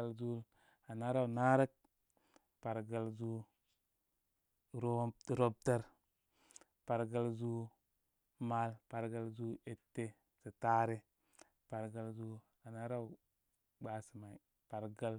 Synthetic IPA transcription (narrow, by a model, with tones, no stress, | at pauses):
a˦lzu˦l | a˨na˦ɾa˦wna˦ɾa˦k̚ | pa˨ɾɡa˨lzu˦ | ɾo˦ɾo˦b̚te˦ɾ | pa˨ɾɡa˦lzu˦ | ma˦lpa˨ɾɡa˦lzu˦e˦˨tːe˦ | si˨ta˦ɾe˦ | pa˨ɾɡa˨lzu˦ | a˨na˦ɾa˦w | ɡ͡ba˨si˨ma˨i˨ | pa˨ɾɡa˦l